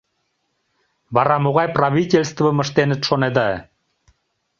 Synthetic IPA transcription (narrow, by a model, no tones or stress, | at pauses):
bɑɾɑmoɣɑjpraβʲitʲelʲst̪vəmə̆ʃt̪enə̆t̪ʃoned̪ɑ